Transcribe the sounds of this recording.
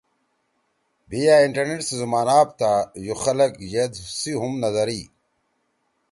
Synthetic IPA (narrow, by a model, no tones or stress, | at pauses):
bijaːiɳʈɐɾneʈsezumaːnaːp̚t̪ajuxɐlɐkjed̪siɦumnɐzɐɾi